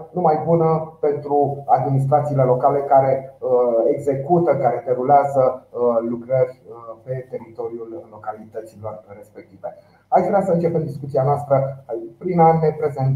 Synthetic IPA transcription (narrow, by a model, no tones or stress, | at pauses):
numajbunəpe̞nt̪ɾuad̪minis̬t̪ɾat̪siːle̞lo̞kale̞kaɾe̞əeɡze̞kut̪əkaɾe̞d̪e̞ɾuleazəlukɾərʲpe̞t̪e̞ɾit̪o̞ɾjullːo̞kalit̪ət̪silorre̞spe̞k̚t̪ive | at͡ʃvɾeasəɨnt͡ʃe̞pe̞md̪iskut̪sianoast̪ɾəapɾinane̞pɾe̞zent̪